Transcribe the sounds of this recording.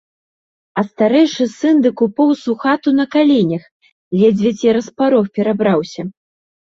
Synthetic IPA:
ɐst̪aɾɛjʂɨsɨnd̪ɨkupɔwsuxat̪unɐkalʲɛnʲɐx | vʲɛd͡zʲvʲɛt͡sʲiɾɐspaɾɔfpʲɛɾabɾawsʲɐ

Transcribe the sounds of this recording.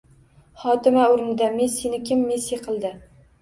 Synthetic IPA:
χɒt̪ɪmaʊɾnɪd̪amesːinɪkʲɪmːesːiqʰɨlˠd̪ɪ

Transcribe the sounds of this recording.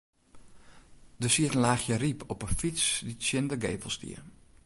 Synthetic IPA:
dəsiətən̩laːxjəripʰɔpəfit͡sditsjɪndəɡeːvəl̩ˠstḭə

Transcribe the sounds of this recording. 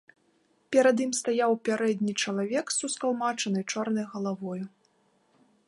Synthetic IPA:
pʲɛɾɐd̪imst̪ajawpʲaɾɛd̪ʲnʲit͡ʂɐlˠavʲɛksuskalˠmat͡ʂɐnɐjt͡ʂɔrnɐjɣɐlˠavɔju

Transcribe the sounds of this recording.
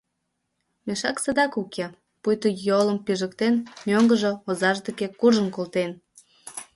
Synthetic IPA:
meʃɑksəd̪ɑkukʰe | pujt̪əjoləmpiʒəkt̪enmøŋɡəʒoozɑʒd̪ekekurʒənkolt̪en

